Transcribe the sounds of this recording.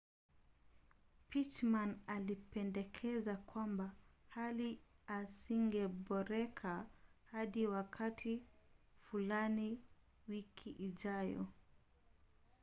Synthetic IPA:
pit͡ʃmanalipɛndɛkʰɛzakwambahaliasiŋɡɛɓɔɾɛkʰahaɗiwakʰatʰifulani | wikʰiʔiʄajɔ̰

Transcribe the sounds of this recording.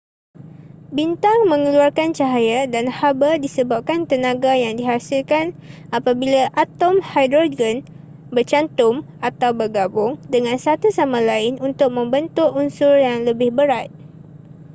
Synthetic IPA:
bint̪aŋmə̃ŋəluarkant͡ʃaɦajadanhabədisəbap̚kant̪ənãɡajaŋdiɦasɪlkanapabilaʔat̪ɔmhajd̪ɾoɡən | bərt͡ʃant̪ʊm | at̪awbərɡabʊŋdəŋãnsat̪usamãlaɪnunt̪ʊk̚mə̃mbənt̪ʊʔunsʊrjaŋləbɪhbəɾat̪̚

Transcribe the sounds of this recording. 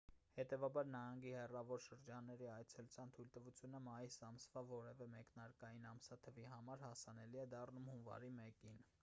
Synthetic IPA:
hɛt̪ɛvɑbɑɾnɑhɑŋɡihɛrɑvɔɾʃəɾd͡ʒɑnːɛɾiɑjt͡sʰɛlut͡sʰjɑnt̪ʰujlt̪əvut͡sʰjunəmɑjisɑmsvɑvɔɾɛvɛmɛknɑɾkɑjinɑmsɑt̪ʰəviɦɑmɑɾhɑsɑn̪ɛliɛd̪ɑrnumhunvɑ̰ɾimɛkin

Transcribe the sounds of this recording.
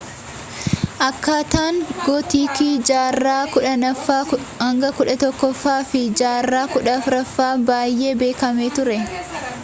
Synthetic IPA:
ʔɐkːaːt̪aːŋɡɔt̪iːkiːd͡ʒaːrːaːkʊᶑɐnɐfːaː | hɐŋɡɐkʊᶑɐt̪ɔkːɔfːaːfɪd͡ʒaːrːaːkʊᶑɐfɾɐfːaːbaːjːe̞ːbe̞ːkɐmeːt̪ʊɾɛ

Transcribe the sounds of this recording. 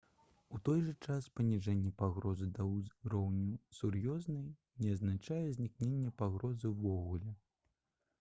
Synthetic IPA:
ut̪ɔjʐɐt͡ʂaspɐnʲiʐɛnʲːɛpaɣɾɔzɨd̪ɐwɾɔwnʲusurjɔznɐj | nʲɛɐznat͡ʂajɛzʲnʲiknʲenʲːɛpaɣɾɔzɨvɔɣulʲɛ

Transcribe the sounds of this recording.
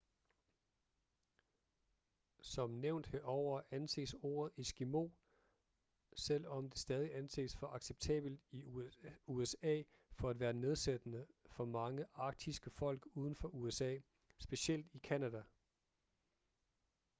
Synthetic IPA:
sɒ̽mneʊ̰nd̥heɒʊ̰ɐænse̝̰ːso̝̰ːɐð̩ˠisɡ̥imo̝̰ː | sel̰ɒ̽md̥e̝sd̥ɛːð̞ˠiænse̝̰ːsfɒʔɑ̈ɡ̥seb̥̚t͡sʰɛ̰ːb̥l̩d̥i | uesɛ̰ː | fɒ̽ædʋæːɐne̝ð̞ˠsed̥ənəfɒ̽mɑ̈ŋəʔɑ̈ɡ̥̚d̥isɡ̥əfɒ̽l̰ɡ̥uːð̞ˠn̩fɒ̽ʔuesɛ̰ː | sb̥e̝sel̰d̥ikʰænæd̥æ

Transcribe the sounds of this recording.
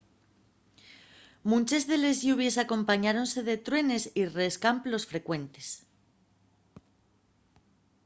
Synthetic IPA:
mũnt͡ʃe̞zðe̞le̞zʝuβ̞je̞sako̞mpaɲaɾo̞nse̞ðe̞t̪ɾwe̞ne̞sireskamplo̞sfɾe̞kwe̞nt̪e̞s

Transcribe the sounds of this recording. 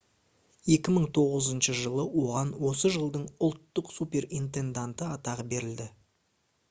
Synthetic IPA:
je̞kʲɪməɴt̪ʰo̞ʁəzənʃəʒəlˠəwo̞ʁɑnwo̞səʒəlˠd̪əɴʊlˠt̪ːəqsupʲe̞rint̪e̞nd̪ant̪əɑt̪ɑʁəbe̞ɾɪld̪ɪ

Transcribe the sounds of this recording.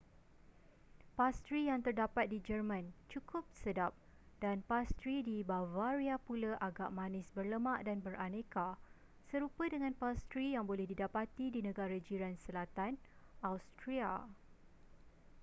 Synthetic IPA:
past̪ɾijaŋt̪ərdapat̪̚did͡ʒərmãnt͡ʃukʰʊp̚sədap̚ | danpast̪ɾidibavaɾiapulaʔaɡa̰ʔmãnɪ̃sbərləmãʔdanbərʔanẽka | səɾupədəŋãnpast̪ɾijaŋbolɛhdidapat̪idinə̃ɡaɾad͡ʒiɾansəlat̪anawst̪ɾia̰

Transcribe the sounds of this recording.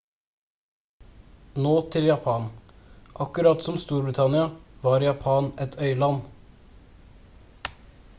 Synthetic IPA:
noːt̪ʰɪljɑpʰɑːn | ʔɑkʉɾɑt̪sɔmst̪uːɾbɾɪt̪ʰɑnɪɑʋɑːɾjɑpʰɑːnɛt̪ʰœʏlɑn

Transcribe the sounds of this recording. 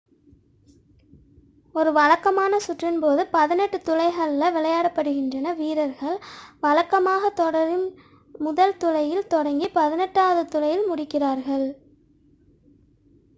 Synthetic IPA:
ɔɾɯʋɐɻɐkːɐmaːnɐsʊʈrɪnpoːðɯpɐðɪnɛʈːɯt̪ʊlɐɪɣɐɭɪlɐʋɪlɐjaːɽɐpːɐɽɯɣɪndrɐnɐʋiːɾɐɾɣɐɭʋɐɻɐkːɐmaːɣɐt̪ɔɽɐɾɪn | mʊðɐlt̪ʊlɐjɪlt̪ɔɽɐŋɡipɐðɪnɛʈːaːʋɐðɯt̪ʊlɐjɪlmʊɽɪkːɪraːɾɣɐɭ

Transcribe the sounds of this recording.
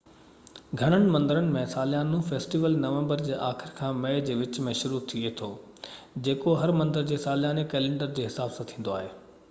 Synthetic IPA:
ɡʱɐɽ̃əɽ̃̆mɐ̃nd̪əɾənɪ̆mẽsaːlɪjaːnũfeːsʈiːʋəlnɐʋẽmbəɾd͡ʑeːʔaːxɪɾkʰãːmeːd͡ʑeːʋɪt͡ɕmẽʃʊɾut̪ʰiet̪ʰoː | d͡ʑeːkoɦɐɾmɐ̃nd̪əɾd͡ʑeːsaːljaːnekɛːlẽɳɖəɾd͡ʑeːɦɪsaːbsãt̪ʰĩːnd̪oaːɦeː

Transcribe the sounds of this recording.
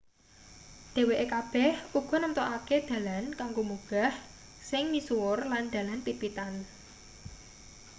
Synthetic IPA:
d̪̥e̤weʔekab̥ɛhuɡ̥ɔ̤nəmt̪ɔʔaked̪̥ä̤lankaŋɡomuɡ̥a̤h | sɪŋnisuwʊrland̪̥ä̤lanpipit̪an

